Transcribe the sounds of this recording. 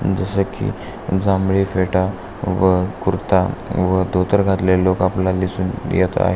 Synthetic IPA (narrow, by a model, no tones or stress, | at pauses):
d͡zəsəkḭ | d͡zãmɭifeʈa | ʋəkuɾt̪aʋəd̪ʱot̪əɾɡʱat̪lelokaplalisuːnjet̪a̰ɦe